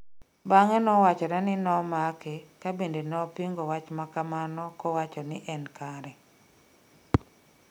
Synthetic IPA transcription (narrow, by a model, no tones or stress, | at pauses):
baŋɛnɔwat͡ʃɔɾɛnɪnɔmakekabendenɔpiŋɡɔwat͡ʃmakamanɔkɔwat͡ʃɔnɪʔɛnkaɾɛ